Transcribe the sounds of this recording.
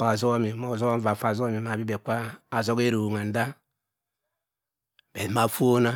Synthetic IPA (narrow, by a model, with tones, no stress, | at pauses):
pa˨zo˦mi˨mo˨zo˦va˨fa˨zo˦mi˨ma˨bi˦be˨kʷa˦a˨zo˦ɡe˦ɾo˨ŋa˨n˦da˦ | be˨ma˦˨fu˦o˦na˦